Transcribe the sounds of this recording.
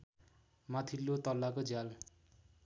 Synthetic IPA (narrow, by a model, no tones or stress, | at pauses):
mat̪ʰilːot̪ʌlːakod͡zjal